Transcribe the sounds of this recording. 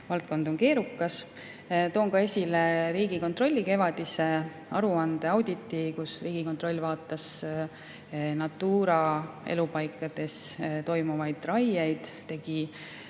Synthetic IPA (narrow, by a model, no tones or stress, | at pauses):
vɑlt̪̚ko̞nd̪o̞nke̞ːɾukːˑɑs | t̪o̞ːŋɡɑe̞sʲileɾiːɡ̥iko̞nt̪ro̞lʲːike̞vɑd̪̥ise̞ | ɑɾuɑnd̪̥e̞ɑwd̪̥ʲit̪ˑːikusriːɡ̥iko̞nt̪ˑro̞lʲːvɑːt̪ːˑɑs | nɑt̪ːˑuːɾɑe̞̰lupɑjkːˑɑd̪̥e̞st̪o̞jmuvɑjd̪̥rɑjejd̪̥t̪e̞ɡ̥i